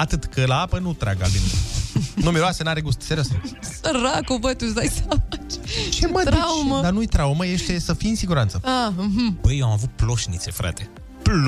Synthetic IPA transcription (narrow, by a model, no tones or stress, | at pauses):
at̪ɨt̪kəlaapənut̪ɾa̰ɡa̰lin | numeɾoasənaɾeɡust̪seɾəsusəɾakovət̪us̬d̪ajsamat͡ʃt͡ʃemədɾiauməd̪anujt̪ɾauməje̞ʃt̪e̞səfijɨnsiɡuɾant̪səaɨɦ̩b̥əjoamavut̪̚plo̞ʃnḭt̪se̞fɾa̰t̪e | pl